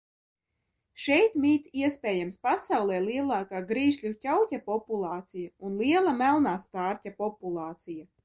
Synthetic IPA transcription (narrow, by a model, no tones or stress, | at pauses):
ʃɛjt̪miːt̪iɛspʲɛːjamspasawlˠɛːliɛlˠaːkaːɡɾiːʃlʲucʲawtʲapɔpulˠɑːt̪sijaunliɛlˠamælˠnaːst̪aːɾtʲapɔpulˠɑːt̪sija